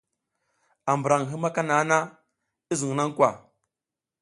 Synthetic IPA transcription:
a˨mbə˨ɾa˨ŋ˨ɦi˦ma˦ka˦na˨˦na˦ | i˦zu˨ŋ˨na˦ŋ˦kʷa˨

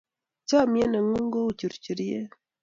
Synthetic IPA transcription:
t͡ʃa˦˨mjɛ˦na˨ŋu˦ŋɡo˦u˨t͡ʃi˨ɾt͡ʃi˨ɾi˦e˦

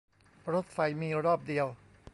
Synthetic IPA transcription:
ɾo˦˥t̪̚fa˧jmiː˧ɾɔː˥˩p̚di˧əw

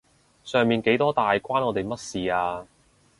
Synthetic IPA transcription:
sœː˨˩ŋmiː˨nke˨˥jt̪ɔː˥t̪aː˨jkʷaː˥nɔː˨˧t̪e˨jmɐ˥t̚siː˨aː˧

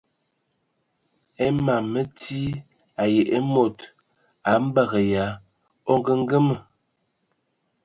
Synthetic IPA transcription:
e˦ma˨mə˦tʰi˦a˨je˨ʔe˦mo˨t | a˨˦m̩˦ba˦ɣə˨ja˨˦ | o˦ŋ˦ɡə˦ŋ˦ɡə˦mə˨

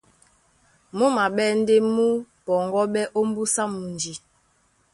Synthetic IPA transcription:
mu˦ma˨ɓɛ˦n̩˦de˦mu˦ | pɔ˨ŋɡɔ˦ɓɛ˦ʔo˦m˦bu˦sa˦mu˨nd͡ʒi˨

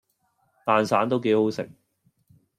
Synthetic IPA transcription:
t̪aː˨nsaː˨˥nt̪o˥wke˨˥jhɦo˨˥wsɪ̰˨k̚

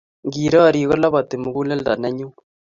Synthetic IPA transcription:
ŋɡiː˨ɾɔ˦˨ɾiː˨ɣɔ˦la˦βa˨te˨mu˨ɣu˦le˦lda̰˨nɛ˦ɲu˦

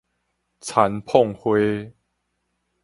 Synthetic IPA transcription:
t͡sʰa˨˦npʰɔ˥˨ŋhwe˦

